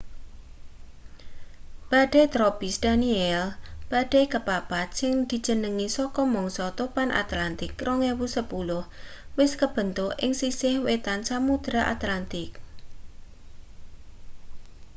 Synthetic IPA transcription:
b̥a̤ɖ̥et̪ɾopisd̪̥aniɛlb̥aɖ̥ekəpapat̪̚sɪŋd̪̥i̤d̥d͡ʒ̥ə̤nəŋisɔkɔmɔŋsɔt̪opanʔa̰t̪lant̪ɪkɾʔɔŋewusəpulʊhwɪskəb̥ə̤nt̪ʊʔʔɪ̰ŋsisɪhwet̪ansamud̪̥ɾaʔa̰t̪lant̪ɪk̚

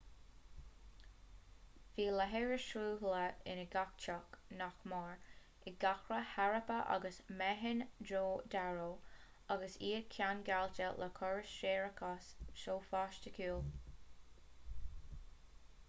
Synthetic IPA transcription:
fiːləɦɛɹəʃɹuːɦləɪ̰nəɡak̚t͡ʃɔknaxmɑɹ | ɪɡ̥axɹəhaɹəpəʔɑ̰ɡəsmɛɦɪnd̪ɹoːd̪aɹoː | ɑɡəsiːkʰjanɡaltəlʔəkʰɔɹəsʃeːɹəkʰasʃoːfaːʃtəkʰuːl

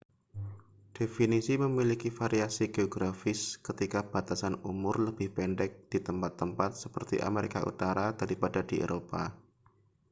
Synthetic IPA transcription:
d̥efinisiməmilikifaɾiasiɡeoɡɾafɪskət̪ikab̥a̤t̪asanumʊrləbɪhpɛndɛk̚d̥it̪əmpat̪ːəmpat̪̚səpərt̪ḭʔa̰meɾikaʔṵt̪aɾad̥aɾipadadiḛɾopa̰

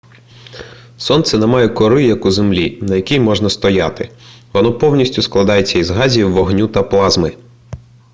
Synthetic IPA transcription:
sɔnt̪sɛnemɑjɛkɔɾɪjɐkuzemlʲinɐjɐkʲijmɔʐnɐst̪ɔjɑt̪ɪʋɔnɔpɔwnʲisʲtʲʊsklˠɐd̪ɑjet͡sʲːɐizɦɑzʲiwʋːɔɦnʲut̪ɐplˠɑzmɪ

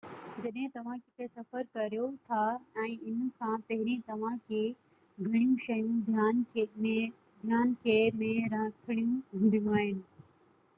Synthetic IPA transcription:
d͡ʑɐɗɦɪ̃t̪ɐʋ̤ãkɪt̪esɐfəɾkɐɾijot̪ʰaɛ̃ːʔɪnkʰãːpɐɦɪɾẽt̪ɐʋ̤ãkʰeː | ɡʱɐɽ̃ijũʃɐjũd̪ʱjaːnẽ | d̪ʱjaːnkʰeːmẽɾɐ̃t̪ʰɪɽijũɦũːnd̪ʱɪjũaːɦɪnɪ̆

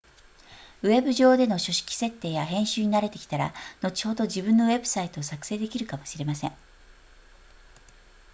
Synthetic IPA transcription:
ɯ̟e̞bɯ̟ʑo̞ːd̪e̞no̞ɕo̞ɕi̥kʲi̥se̞t̪ːe̞ːjaɦẽ̞ɰ̃ɕɨːɲ̟inaɾe̞t̪e̞̥kʲi̥t̪aɾa̰no̞t͡ɕi̥ho̞d̪o̞ʑibɯ̟̃nːo̞βe̞bɯ̟̥sait̪o̞ːsakɯ̟̥se̞ːd̪e̞kʲiɾɯ̟kamo̞ɕiɾe̞masẽ̞ŋ

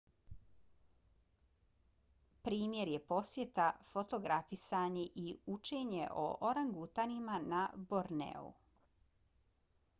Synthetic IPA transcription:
pɾiːmjeɾje̞po̞sje̞t̪afo̞t̪o̞ɡɾafisaɲeʔiut͡ʃe̞ːɲeʔo̰ʔoɾaŋɡut̪animanaboɾnḛṵ

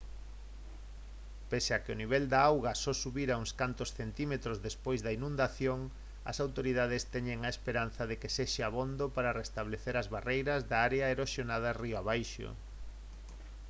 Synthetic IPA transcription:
pesakɪoniβ̞ɛld̪aawɣasɔsuβiɾauŋskant̪osθent̪imet̪ɾozðespojzðɐinũnd̪aθjoŋ | ɐ̰sawt̪oɾiðað̞ɪst̪ɛɲeŋaespeɾan̟θɐðekeseʃeaβond̪opaɾarest̪aβleθeɾazβarejɾɐzðaaɾeaeɾoʃjonað̞ariaβajʃo̰

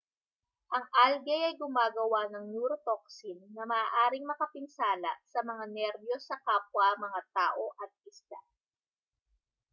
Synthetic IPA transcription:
ʔɐŋʔalɡɛjɐjɡʊmaːɡɐwanɐŋnuːɾot̪ok̚sinːɐmɐaːʔaːɾɪŋmɐkɐpɪnsaːlɐ̰sɐmɐŋanɛɾbjo̞sːɐkaːp̚wɐmɐŋat̪aːʔo̞ʔɐt̪̚ɪsla

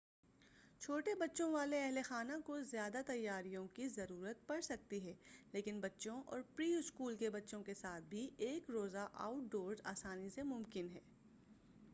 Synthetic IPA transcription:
t͡ʃʰoːʈebɐtːʃõʋaːleɛɦlexaːnakozjaːd̪at̪ɐjːaːɾijõkizɐɾuːɾət̪̚pɐɽsɐk̚t̪iɦɛːleːkɪnbɐtːʃõʔɔ̰ːɾpɾiːʊskuːlkebɐtːʃõkesaːt̪̚ʰbʱieːkɾoːzaʔa̰ːʊʈ̚ɖoːɾzaːsaːnisemʊ̃mkɪnɦɛː

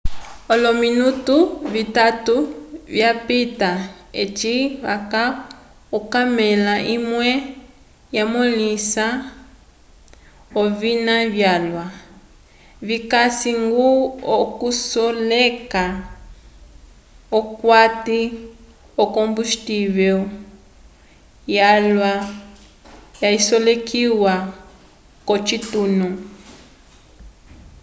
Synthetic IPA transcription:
ɔlɔminutuβitatuβjapita | et͡ʃiβaka | ɔkamɛlaʔimwɛ | jamɔlisa | ɔvinaβjalwa | βikasiŋɡuɔkusɔleka | ɔkwati | ɔkombustivɛ | jalwa | jaisɔlekiwa | kɔt͡ʃitunɔ

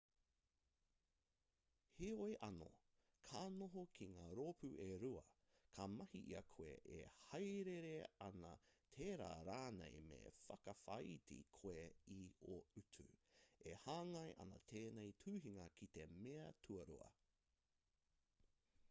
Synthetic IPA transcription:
hiojʔɐno̞̰ | kʰaːnoɦokʰiŋaːɾoːpʉʔeɾuɐ | kʰamɐhiʔiɐkʰoḛʔḛhɐjɾeɾeɐnɐtʰeːɾa̰ːɾaːnḛjmḛfɐkɐfɐjtḭkʰoeioʉtʰʉehaːŋɐjʔɐ̰nɐ̰t̪ʰeːnejtʰʉːɦiŋɐkʰit̪e̞meɐtʰuɐɾṵɐ̰

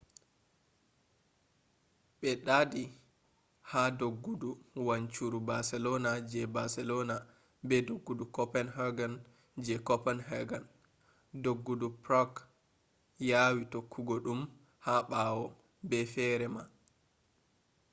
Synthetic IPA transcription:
ɓɛɗadi | hadoɡːuduwaɲt͡ʃuɾubasɛlɔnad͡ʒɛbasɛlɔna | bɛdoɡːudukɔpɛnɦaɡan | d͡ʒɛkɔpɛnɦɛɡan | doɡːudupɾɔk | jawitokʰːuɡɔɗum | haɓaːwɔ | bɛfɛɾɛma

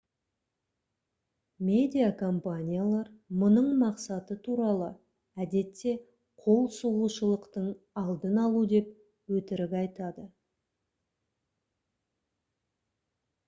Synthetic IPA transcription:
mʲe̞d̪ʲijakʰo̞mpanʲijalˠɑɾmʊnəɴmɑqsɑt̪ət̪ʰuɾɑlˠə | æd̪e̞t̪ːe̞ | qʰo̞lˠsuʁuʃəlˠəqt̪əɴ | ɑlˠd̪ənɑlˠud̪e̞p | wɵt̪ɪɾɪkɑjt̪ɑd̪ə

